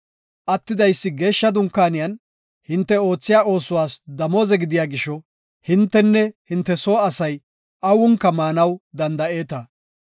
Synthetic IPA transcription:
ʔɐt̪ːɪd̪ɐjsːɪɡe̞ːʃːɐd̪ʊŋkːaːnɪjɐn | hɪnt̪ːɛo̞ːt͡sːɪjaːʔo̞ːsʊwaːsd̪ɐmoːzɛɡɪd̪ɪjaːɡɪʃɔ | hɪnt̪ːɛnːɛhɪnt̪ːɛsoːɐsɐj | ʔɐwʊŋkːɐmaːnɐwd̪ɐnd̪ɐʔe̞ːt̪ɐ

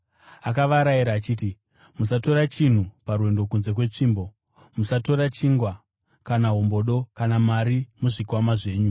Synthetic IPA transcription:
akaʋaɾajiɾaːt͡ʃiːti | musato̞ɾat͡ʃin̤uparwe̞ndo̞kunze̞k̬we̞t͡ʂiːmbo̞ | musato̞ɾat͡ʃiŋɡwa | kanaɦumbo̞ɗo̞kanamaɾimuʐikwamaʐe̞ːɲu

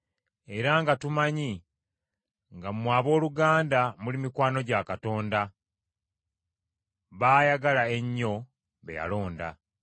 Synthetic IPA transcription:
e̞ɾaŋɡatumaɲi | ŋɡamumwaːβo̞ːluɡaːndamulimikwaːno̞ɟakato̞ːnda | βaːjaɡalae̞ɲːo̞ | βḛja̰lo̞ːnda̰

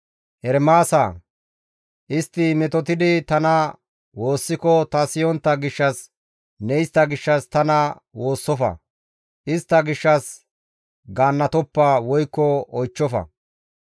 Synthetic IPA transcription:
ʔɛɾmaːsa | ʔɪst̪ːɪmɛt̪ɔt̪̬ɪd̪ɪt̪ɐnɐ | wo̞ːsːɪkɔt̪ɐsɪjɔnt̪ːɐɡɪʃːɐs | nɛjst̪ɐɡɪʃːɐst̪ɐnɐ | wo̞ːsːɔfɐ̰ | ʔɪst̪ːɐɡɪʃːɐs | ɡaːnːɐt̪ɔpːawɔjkːɔɔjt͡ʃːɔfɐ̰

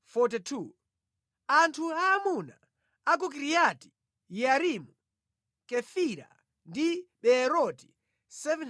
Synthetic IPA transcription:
fɔtitʰu | antʰuaːmuna | ak̬uk̬iɾijati̥ | jaɾimu | kɛfiɾa̰ | ndiɓɛɾɔti̥ | sɛvɛn

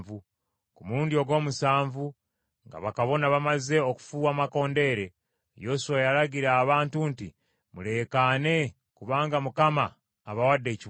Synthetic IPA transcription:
vu | kumuɾuːndio̞ɡo̞ːmusaːɱvu | ŋɡa̰βakaβo̞naβamaze̞oku̥fuːwamako̞ːnde̞ːɾe̞ | jo̞suwajaɾaɟiɾaːβaːntunti | mule̞kane̞ | kuβaːŋɡamukamaː | βawadːe̞ːci

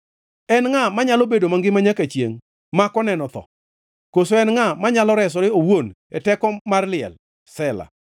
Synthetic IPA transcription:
ɛnŋamaɲalobedomaŋɡɪmaɲakat͡ʃjḛŋ | makɔnɛnɔt̪ɔ̰ | kosoɛnŋamaɲalɔɾɛs̬ɔɾɪowon | ɛtɛkɔmarlɪɛ̰l | sɛla̰

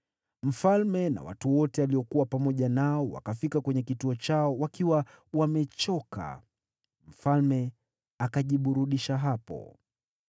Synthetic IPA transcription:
m̩falmɛna̰wa̰tuwɔtɛaliɔkuwapamɔʄanaɔwa̰kafikakwɛɲɛkituɔt͡ʃaɔwakiwa | wamɛt͡ʃɔka̰ | m̩falmɛ | akaʄiɓuɾuɗiʃaɦapɔ̰

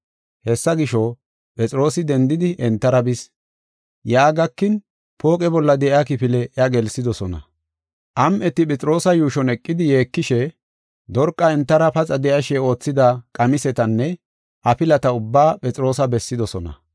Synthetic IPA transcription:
hɛsːɐɡɪʃɔ | pʼɛt͡sʼɪɾo̞ːsɪd̪ɛnd̪ɪd̪ɪʔɛnt̪ːɐɾɐbɪs | jaːɡɐkːɪn | po̞ːkʼɛbɔlːɐd̪ɛʔakɪpɪlɛʔɐɡɛlsɪd̪ɔsɔnɐ̰ | ʔɐmʔɛt̪ːɪpʼɛt͡sʼɪɾo̞ːsɐjuːʃɔnɛkʼːɪd̪ɪje̞ːkːɪʃɛ | d̪ɔɾkʼːɐɛnt̪ːɐɾɐpɐt͡sʼɐd̪ɛʔɐʃɛo̞ːt͡sːɪd̪ɐkʼɐmɪsɛt̪ɐnːɛ | ʔɐpɪlɐt̪ɐʊbːaːpʼɛt͡sʼɪɾo̞ːsɐbɛsːɪd̪ɔsɔnɐ̰

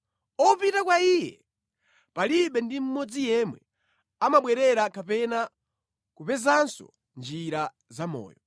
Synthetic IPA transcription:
ɔpitakwaiːjɛ̰ | paliɓɛndim̩mɔd͡zijɛmwɛ̰ | amaɓwɛɾɛɾakapɛna | kupɛzansɔ̰ | nd͡ʒiɾa | zamɔ̰ːjɔ

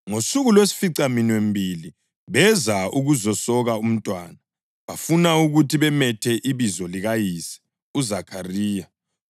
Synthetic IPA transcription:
ŋosuɣulwesi̥fiǀaminwembʱili | βɛzauɣuzɔsɔɣaum̩tʼwaːna | βafunauɣutʰiβɛmɛtʰɛʔiβizɔliɣajiːsɛ̥ | uzakʰariːja

